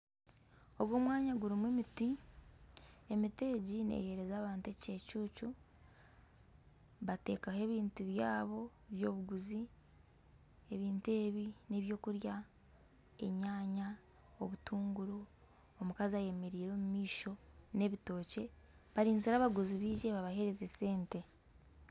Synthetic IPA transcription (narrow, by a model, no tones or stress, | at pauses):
o̞βwo̞ːmwaːɲaɡuɾimwemiti | emite̞ːɟine̞̰he̞ɾe̞zaːβaːntece̞ːcuːcu | βate̞̰ːkahe̞ːβiːntuβjaːβo̞ | βjo̞̰ːβuɡuzi | eβiːntue̞ːβine̞βjo̞ːkuɾja | ḛɲaːɲa | oβutʰuːŋɡuɾu | omukaziaje̞meɾiːɾo̞ːmumiːʃo̞ne̞βito̞ːce̞ | βaɾiːnziɾaːβaɡuziβiːʒe̞βaβahe̞ɾe̞zese̞ːnte̞